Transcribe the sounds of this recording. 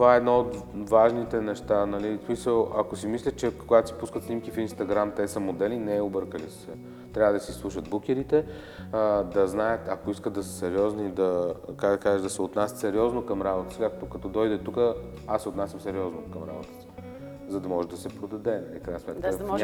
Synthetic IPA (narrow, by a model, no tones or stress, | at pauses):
t̪ovaɛɛd̪noot̪vaʒnit̪ɛnɛʃt̪anɐlismisəlˠɐkosimislʲət̪̚t͡ʃɛkoɡat̪o̥si̥puskət̪snimkifinst̪ɐɡɾamt̪ɛsɐmod̪ɛlinɛɛobɤɾkəlissɛ | t̪ɾʲavəd̪ɐsislˠuʃəd̪buk̟ʲɛɾit̪ɛ | d̪ɐznajət̪ɐkoiskəd̪d̪ɐsə̥sɛɾiɔznid̪ɐkad̪ɐkazɛd̪ɐsɛot̪nasʲət̪sɛɾiɔznokɐmɾabot̪ə̥sikakt̪okɐt̪ɔd̪ɔjd̪ɛt̪ukə | asːɛot̪nasʲjɐmsɛɾiɔznokɐmɾa̰bot̪ə̥si̥ | zɐd̪ɐmɔʒɛd̪ɐsɛpɾod̪ɐd̪ɛnɐlifkɾaɪjnəsmɛt̪kə